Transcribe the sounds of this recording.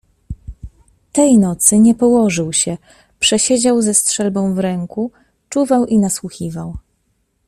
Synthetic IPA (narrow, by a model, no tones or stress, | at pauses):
t̪ɛjnɔt̪sɘɲɛpɔwɔʐɘwɕɛ | pʂɛɕed͡ʑawzɛstʂɛlbɔ̃w̃vɾɛŋku | t͡ʂuvawʔinaswuxʲivaw